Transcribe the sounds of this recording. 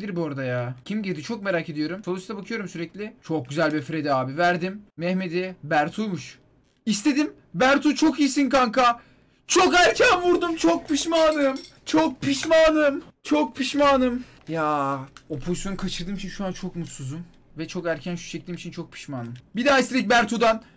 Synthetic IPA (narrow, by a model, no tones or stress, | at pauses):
d̪iɾboɾad̪ajaːcʰimɟiɾd̪it͡ʃʰo̞k̚me̞ɾaːcʰe̞d̪ijo̞ɾumt͡ʃʰolˠusd̪abakʰɯjo̞ɾumsyɾɛclʲɪt͡ʃʰo̞k̚ɟyzælʲbifɾed̪ɛaːbivæɾd̪imːɛçme̞d̪ibæɾt̪ʰujmuʃ | ist̪ʰe̞d̪im | bæɾt̪ʰut͡ʃʰo̞kijsinkaŋkʰa | t͡ʃʰo̞kæɾcʰænvuɾd̪umt͡ʃʰok̚piʃmaːnɯm | t͡ʃʰok̚pʰiʃmaːnɯm | t͡ʃʰok̚pʰiʃmaːnɯm | jaːo̞pʰo̞zisjo̞nukʰat͡ʃʰɯɾd̪ɯːmit͡ʃʰinʃuaːnt͡ʃʰo̞kmut̪suzd̪um | vɛt͡ʃʰo̞kæɾcʰænʃu̥ʃɛc̚d̪ʲiːmit͡ʃʰint͡ʃʰo̞k̚pʰi̥ʃmaːnɯmbid̪aːist̪elʲic̚ʲbæɾt̪ʰud̪an